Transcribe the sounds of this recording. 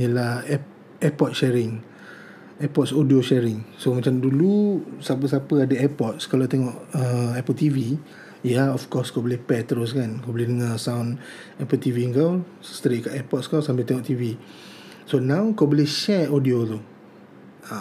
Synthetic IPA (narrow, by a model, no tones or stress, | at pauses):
əlah | ɛpɔt̪̚ʃɛɾɪŋ | ɛpɔt̚sodioʃɛɾɪŋsomat͡ʃamdulusap̬əsapəadəɛpɔt̪̚skalawt̪ɛŋɔʔəɛpəlt̪ivi | jaɔfkɔskabəlɛhpɛt̪ɾos̬kankabəlɛhdəŋasawn | ɛpəlt̪iviəŋkaw | sst̪ɾikaʔɛpɔt̪̚skawsambɛt̪ɛŋɔʔt̪ivi | sonãwkabolɪhʃɛodiot̪u | a